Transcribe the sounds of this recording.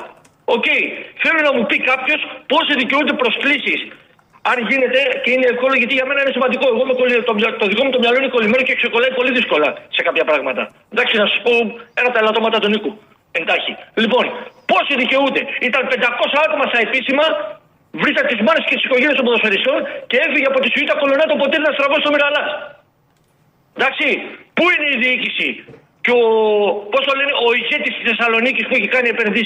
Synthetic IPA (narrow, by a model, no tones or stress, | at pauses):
o̞ce̞iθelunɐmupikɐpço̞spo̞siðice̞und̪e̞pɾo̞sklisis | ɐnʝine̞t̪e̞ce̞ine̞efko̞loʝɐt̪iʝɐme̞nɐinesimɐnd̪iko̞e̞ɣomekolit̪omt̪oðikomut̪omɲɐlo̞ineko̞lime̞nocekse̞ko̞lɐipo̞liðisko̞lɐsekɐpçɐpɾɐɣmɐt̪ɐ̰ | d̪ɐksinɐsɐspo̞enɐp̚t̪ɐelɐt̪omɐt̪ɐt̪oniku | e̞nd̪ɐçilipo̞npo̞siðice̞ut̪e̞it̪ɐnpe̞nd̪ɐko̞sɐɐt̪o̞mɐst̪ɐe̞pisimɐ | vɾisɐt̪et̪izmɐɾescet̪isi̥ko̞ɲʝeɾiɐst̪oboðoseɾist̪o̞nce̞e̞fiʝeɐpo̞t̪isuit̪ɐko̞lunɐt̪opot̪ieðnɐst̪ɾɐvost̪o̞miɣɐlɐs | d̪ɐksipuineiðiicisi | co̞po̞st̪oleneoiçe̞t̪ist̪isθe̞sɐlo̞nicispueçikɐnie̞pe̞nðis